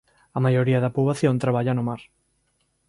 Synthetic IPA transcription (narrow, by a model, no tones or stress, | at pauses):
ɐmajoɾiaðɐpuβaθjont̪ɾaβ̞aʎanomaɾ